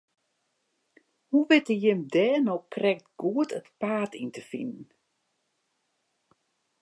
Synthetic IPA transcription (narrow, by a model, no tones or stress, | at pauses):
huʋɪtəjɪmdɛːnowkrɛktɡ̥uətʰətpaːtʰintʰəfḭnən̩